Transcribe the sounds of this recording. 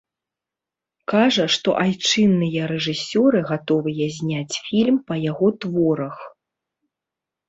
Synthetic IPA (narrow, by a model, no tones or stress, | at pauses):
kaʐɐʂt̪ɔ̰ʔajt͡ʂɨnːɨjɐɾɛʐɨsʲɔɾɨɣat̪ɔvɨjɐzʲnʲat͡sʲfʲilʲmpɐjaɣɔt̪vɔɾɐx